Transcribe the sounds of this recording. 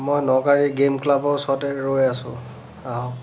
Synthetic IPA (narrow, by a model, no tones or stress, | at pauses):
mojnɔkaɹiɡemklabɔɹsɔɔtɛɹojasʊ̰̃ | aɦɔk